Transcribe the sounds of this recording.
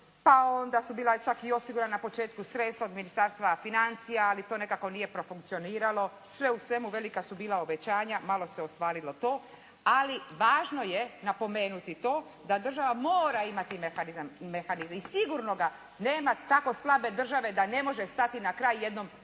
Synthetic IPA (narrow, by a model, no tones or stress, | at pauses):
pao̞nd̪asubiːlat͡ʃakio̞siɡuɾananapo̞t͡ʃe̞ːt̪kusɾe̞t̪st̪aod̪minist̪aːɾst̪ʋafinant̪sijaalit̪o̞ːne̞kako̞nije̞pɾo̞fuŋk̚t̪sio̞niːɾalo̞ | sʋe̞usʋe̞muʋe̞likasubiːlˠaobe̞t͡ɕaːɲamalo̞seost̪ʋaːɾilo̞t̪o̞ː | aliʋaːʒno̞jenapo̞me̞ːnut̪it̪o̞ː | d̪ad̪r̩ʒaʋamoːɾaimat̪imexanizamːexanizmisiɡuɾno̞ɡa | ne̞ːmat̪ako̞slˠabe̞d̪r̩ʒaʋe̞d̪ane̞mo̞ʒe̞st̪at̪inakɾaːjje̞d̪nom